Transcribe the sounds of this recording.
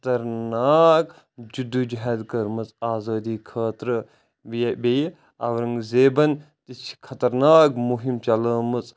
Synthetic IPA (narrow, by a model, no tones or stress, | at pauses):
t̪ɐɾnaːk | d͡ʒud̪ud͡ʒɦɛd̪kɐɾmɐt͡sʼaːzɐːd̪iːkʰɐːt̪ɾə | ʋibej | ɐ̰ʋɾɐŋɡzeːbɐn | t̪it͡ʃʰi̥kʰɐt̪ɐɾnaːkmuɦimt͡ʃɐləːmɨt͡sʼ